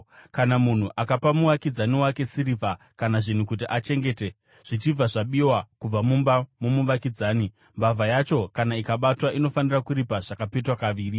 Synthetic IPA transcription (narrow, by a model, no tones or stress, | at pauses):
kanamun̤uʔakapamuʋakid͡zaniwake̞siɾiva | kanaʐin̤ukut̬iʔat͡ʃe̞ŋɡe̞te | ʐ̥it͡ʃib͡vaʐaɓiwakub͡vamumbamomuʋakid͡zaːni | mbavajat͡ʃo̞kanaikaɓatwaʔino̞fanirakuɾipaʐ̥akapetwakaʋiːri